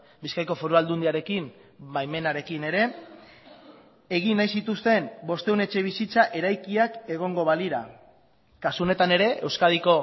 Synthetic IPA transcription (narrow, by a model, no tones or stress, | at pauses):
biskajko̞foɾuald̪und̪iaɾe̞kimbajme̞naɾe̞kine̞ɾe̞ | eɣ̞inːajsit̪ust̪e̞mbo̞st̪e̞une̞t͡ʃe̞β̞isit͡saʔe̞ɾajkiake̞ɣ̞o̞ŋɡo̞βaliɾa | kasuone̞t̪ane̞ɾe̞ʔe̞wskað̞iko̞